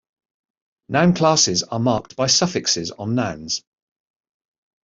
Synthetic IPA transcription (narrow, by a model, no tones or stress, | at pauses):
nʔãʊ̃nkʰl̥ɑˑsɪzəmɑˑktb̥aɪsʌfɪksɪzn̩ːãʊ̃nz̥